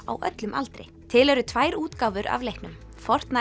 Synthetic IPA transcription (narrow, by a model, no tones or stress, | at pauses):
a̰wʔœ̰t̪lʏmʔa̰lt̪ɾɪ̰ | t̪ʰɪlɛɾʏt̪ʰvaːjɾuːt̪kaːwvʏɾa̰vlejhknʏm | fɔr̥t̪na